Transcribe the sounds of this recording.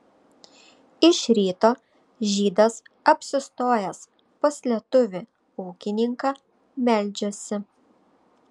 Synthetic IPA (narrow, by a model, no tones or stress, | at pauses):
ɪʃɾʲiːt̪oː | ʒʲiːd̪ɐsɐpʲsʲɪst̪oːjɛs | pɐsʲlʲɛt̪ʊʋʲɪ | ʊːkʲɪnʲɪŋkɑ | mʲɛlʲd͡ʒʲosʲɪ